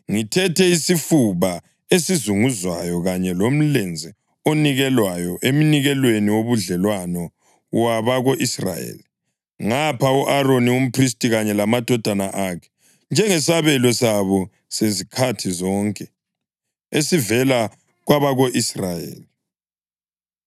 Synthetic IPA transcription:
ŋitʰɛtʰɛisifuβa | esizuŋuzwajɔɣaɲɛlom̩lɛnd͡zʱɛ | oniɣɛlwajɔʔem̩niɣɛlweniwoβuɮɛlwanɔ | waβaɣoʔisra̰jḛːli | ŋapʰauʔaɾonium̩pʰristʼiɣaɲɛlamad̥ʱɔd̥ʱanaʔakʰɛ̥ | nd͡ʒʱɛŋɛsaβɛlɔsaβɔ | sezikʰatʰizɔŋkʼɛ | esivɛla | ɣwaβaɣoʔisrajḛːli

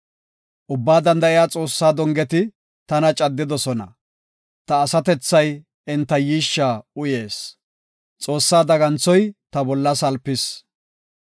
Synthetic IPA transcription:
ʔʊbːaːd̪ɐnd̪ɐʔɪjaːt͡sʼo̞ːsːaːd̪ɔŋɡɛt̪ɪ | t̪ɐnɐt͡ʃʼɐd̪ːɪd̪ɔsɔnɐ̰ | t̪ɐːsɐt̪ɛt͡sːɐj | ɪnt̪ːɐjiːʃːaːʊje̞ːs | t͡sʼo̞ːsːaːd̪ɐɡɐnt͡sːɔjt̪ɐbɔlːɐsɐlpːɪs

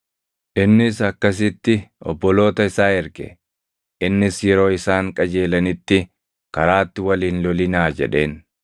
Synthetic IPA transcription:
ʔɪnːɪsɐkːɐs̬ɪt̪ːɪɔ̰bːɔlo̞ːt̪ɐɪsaːɛɾkɛ̰ | ʔɪnːɪsjɛɾo̞ːɪsaːŋkʼɐd͡ʒe̞ːlɐnɪt̪ːɪ | kɐɾaːt̪ːɪwɐliːnlɔlɪnaːd͡ʒɛ̰ᶑe̞ːn

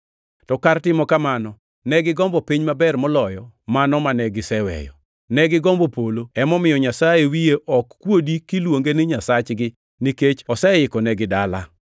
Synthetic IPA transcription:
tɔkartɪmɔkamanɔ | nɛɡɪɡɔmbɔpiɲmabɛrmɔlɔjɔmanɔmanɛɡɪsɛwɛ̰jɔ̰ | nɛɡɪɡɔmbɔpoloɛmɔmɪjɔɲasajewijeʔɔkːwodikɪlwoŋɡenɪɲasat͡ʃɡɪ | niket͡ʃɔsɛɪkɔnɛɡɪdala

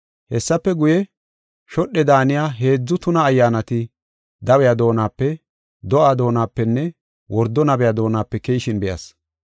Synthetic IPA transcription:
hɛsːɐpːɛɡʊjɛ | ʃɔɗːɛd̪aːnɪjaːɦe̞ːd͡zːʊt̪ʊnɐːjːaːnɐt̪ɪ | d̪ɐwɛjaːd̪o̞ːnaːpːɛ | d̪ɔʔaːd̪o̞ːnaːpːɛnːɛ | wɔɾd̪ːɔnɐbɛjaːd̪o̞ːnaːpːɛkejːʃɪnbɛjɐ̰s

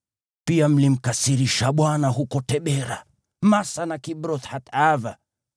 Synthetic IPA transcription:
piam̩lim̩kasiɾiʃaɓwanaɦukɔtɛɓɛɾa | masanakibɾɔt̪hatava

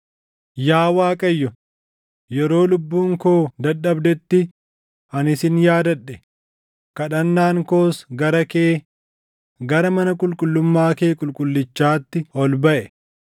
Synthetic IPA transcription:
jaːwaːkʼɐjːɔ | jɛɾo̞ːlʊbːuːŋkoːd̪ɐɗɐbd̪ɛt̪ːɪ | ɐnɪsɪnjaːd̪ɐᶑːɛ | kɐᶑɐnːaːŋko̞ːsɡɐɾɐkeː | ɡɐɾɐmɐnɐkʼʊlkʼʊlːʊmːaːkeːkʼʊlkʼʊlːɪt͡ʃːaːt̪ːɪɔlbɐʔɛ

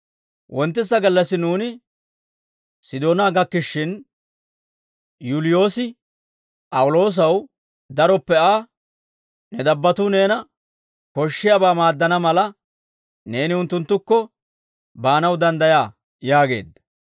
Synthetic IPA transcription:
wʔɔnt̪ːɪsːɐɡɐlːɐsɪnuːnɪ | sɪd̪o̞ːnaːɡɐkːɪʃːɪn | juːlɪjo̞ːsɪ | pʼɐwʊlo̞ːs̬ɐw | d̪ɐɾɔpːɛaː | nɛd̪ɐbːɐt̪ʊne̞ːnɐ | kɔʃːɪjabaːmaːd̪ːɐnɐmɐlɐ | ne̞ːnɪʊnt̪ːʊnt̪ːʊkːɔ | baːnɐwd̪ɐnd̪ɐjaː | jaːɡe̞̰ːd̪ɐ

